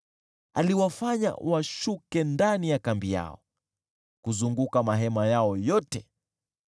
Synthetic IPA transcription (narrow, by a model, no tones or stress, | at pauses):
aliwafaɲa̰waʃukɛndanijakambija̰ɔ̰ | kuzuŋɡukamaɦɛmajaɔjɔtɛ